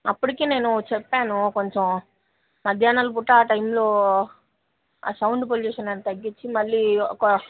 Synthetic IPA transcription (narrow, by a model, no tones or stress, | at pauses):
ɐpːuɽikeːne̞ːnut͡ʃɛpːaːnukoɲt͡ʃõw | mɐd̪ʱjaːnaːlup̬uʈːaaːʈɐjmloː | a̰ːsɐwɳɖp̬oluːʂɐnɐnt̪ɐɡːit͡ʃːimɐɭːikːɐ